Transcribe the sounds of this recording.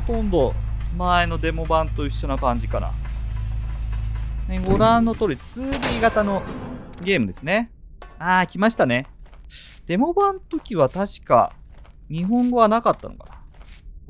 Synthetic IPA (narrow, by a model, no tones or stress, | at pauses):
hot̪õ̞nd̪o̞ | maeno̞d̪e̞mo̞bãnt̪o̞iɕːonakãɲ̟d͡ʑikana̰ | neɡo̞ɾãnːo̞t̪o̞ːɾʲit͡sɨːɾʲiːɡat̪ano̞ɡʲe̞ːmɯ̟d̪e̞sɨne̞ | aːkʲimaɕi̥t̪ane̞ | d̪̥e̞mo̞bãnt̪o̞kʲiβat̪aɕi̥ka̰ | ɲ̟iɦõ̞ŋɡo̞βanakat̪ːa̰no̞̰ka̰na